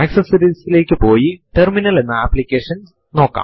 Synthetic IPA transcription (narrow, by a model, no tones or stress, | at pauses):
aːksɐsɐɾiːsile̞ːkːɨpo̞ːjiʈerminɐle̞nːɐapːlikʲːeːʂɐns | no̞ːkːa̰ːm